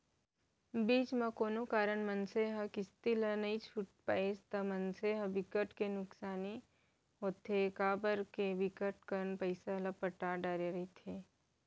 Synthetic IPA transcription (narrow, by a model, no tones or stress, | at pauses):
biːt͡ʃmẽkoːnokaːɾənmɐnseɦɐkɪst̪ilənɐɦĩt͡ʃʰuʈ̚paːest̪ɐmɐnseɦəʋɪkəʈkenʊksaːni | ɦoːt̪ʰekaːbəɾkeʋɪkəʈkəɾnpɐɪsalɐpəʈaɖaːɾeɾɐɦit̪ʰeː